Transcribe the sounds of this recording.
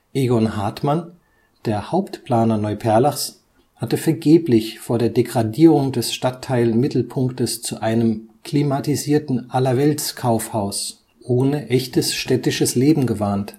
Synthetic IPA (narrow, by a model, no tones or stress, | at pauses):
ʔeɡɔnhaːtman | d̥eːɐhaʊptpl̥aːnɐnɔʏpʰɛɐlaχs | hatəfɛɐɡeːplɪçfoːɐɾeːɐdeɡʁadiːʁʊŋdɛsʃtatʰːaɪlmɪtl̩pʰʊŋktəst͡suʔaɪnəmkʰl̥iːmatiziːɐtn̩ʔalɐvɛltskʰaʊfhaʊs | ʔoːnəʔɛçtəsʃtɛtɪʃəsleːbm̩ɡəvaːnt